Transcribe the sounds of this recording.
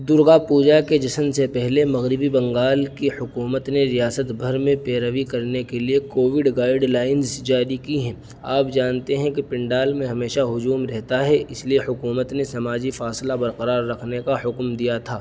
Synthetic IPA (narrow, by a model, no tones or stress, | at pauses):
d̪ʊɾɡapuːd͡ʒaked͡ʒɐsmsepɛɦlemɐɣɾɪbibɐ̃ŋɡaːlkihʊkuːmət̪neɾijaːsət̪bʱɐɾmẽpeːɾəʋikɐɾnekeliekoːʋɪɖɡaːɪɖlaːɪnzd͡ʒaːɾikiɦɛ̃ː | a̰ːp̚d͡ʒaːnt̪eɦɛ̃kipɪ̃ɳɖaːlmẽɦɐmeːʃaɦʊd͡ʒuːmɾɛɦt̪aɦɛʔɪsliehʊkuːmət̪nesɐmaːd͡ʒifaːslabɐɾqəɾaːɾːɐkʰnekahʊkmd̪ijat̪ʰaː